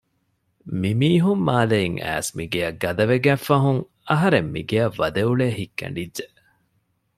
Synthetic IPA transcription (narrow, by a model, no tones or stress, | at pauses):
mimiːɦumːaːleiŋʔæ̰ːsmiɡeɐɡːɐd̪ɐʋeɡæːfːɐɦuŋ | ɐɦɐɾemːḭɡejɐʋːɐd̪euɭeːhikːɐ̰ɳɖidʒeʔ